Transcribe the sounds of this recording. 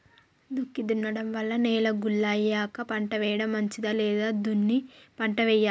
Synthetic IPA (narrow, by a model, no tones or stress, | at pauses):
d̪ukːid̪unːɐɽɐmʋɐlːɐnɛːlɐɡulːaːjːaːkɐpɐɳʈɐʋɛːjɐɽɐmɐɲt͡ʃid̪aːlɛːd̪aːd̪unːipɐɳʈɐʋɛːjːaː